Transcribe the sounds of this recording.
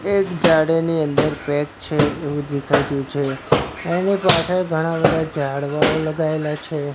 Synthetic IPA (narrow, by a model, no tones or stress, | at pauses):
ekd͡ʒaɽeniənd̪əɾpɛk̚t͡ʃʰeːʋũd̪ekʰaiɾjũt͡ʃʰeenipasʰeɡʱəɽ̃abəd̪ʱad͡ʒaɽʋaoləɡaelat͡ʃʰe